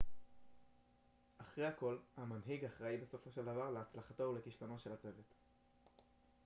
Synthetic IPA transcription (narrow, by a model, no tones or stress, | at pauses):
ʔaχʁejako̞lhamanɦiɡaχʁaibe̞so̞fo̞ʃe̞ld̪avaʁleat͡slaχato̞ule̞kiʃlanoʃe̞lat͡se̞ve̞t̪